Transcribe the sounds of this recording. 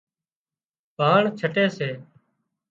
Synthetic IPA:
paːɳt͡ʃʰəʈeːseː

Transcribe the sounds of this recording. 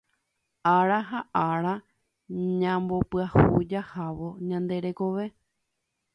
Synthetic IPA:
aɾaɦaʔaɾa | ɲãmbo̞pɨahud͡ʒahaʋo̞ɲãnd̪e̞ɾe̞ko̞ʋe̞

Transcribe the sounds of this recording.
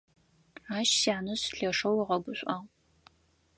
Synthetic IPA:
aːʃsjaːnɨsɬɐʂɐwiʁɐɡʷʊɕʷʼʔaːʁ

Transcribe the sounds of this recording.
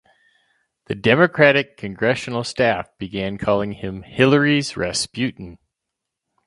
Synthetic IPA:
ðɨdɛmɨkʰɹ̥æɾɨkʰɨ̃nɡɹɛʃn̩l̩ˠstæfb̥ɨɡæ̃nkʰɔlˠɪ̃ŋɪ̃mhɪlˠə˞izɹɛspjʉʔn̩

